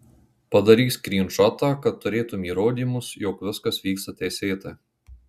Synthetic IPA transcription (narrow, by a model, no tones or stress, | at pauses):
pɐd̪ɐɾʲiːskɾʲiːnʃɔt̪ɑːkɐt̪ːʊɾʲeːt̪ʊmʲiːɾoːd̪ʲiːˑmʊsjoːkʋʲɪskɐsʋʲiːkst̪ɐt̪ʲɛɪsʲeːt̪ɐː